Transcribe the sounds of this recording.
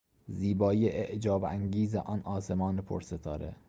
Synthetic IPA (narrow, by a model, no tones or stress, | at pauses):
ziːbɒːjeʔeʔd͡ʒɒːbæŋɟiːzḛʔɒːnʔɒːsemɒːnepʰo̰ɾset̪ʰɒ̰ːɾḛ